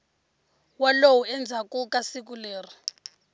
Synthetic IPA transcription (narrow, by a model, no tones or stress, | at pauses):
walowuɛnd͡zʱakukasik̬uleːr̤i